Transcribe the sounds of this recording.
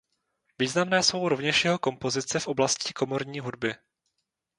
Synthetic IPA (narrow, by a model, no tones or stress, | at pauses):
viːznamnɛːso̞wɾovɲɛʃjɛɦo̞ko̞mpo̞zɪt͡sɛfʔo̞blascɪko̞mo̞ɾɲiːɦudbɪ